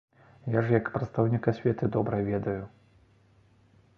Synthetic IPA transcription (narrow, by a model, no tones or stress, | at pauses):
jaʐjɐkpɾɐt̪st̪ɐwnʲikasʲvʲɛt̪ɨd̪ɔbɾɐvʲɛd̪ɐju